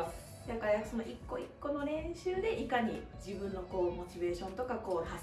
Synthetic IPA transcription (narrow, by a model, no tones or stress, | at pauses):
jakajasonoʔikːo̞ikːo̞no̞ɾẽ̞ɰ̃ɕɨːd̪e̞ʔikaɲ̟ḭ | d͡ʑibɯ̟̃nːo̞ko̞ːmo̞t͡ɕibe̞ːɕõ̞nt̪o̞kako̞ːha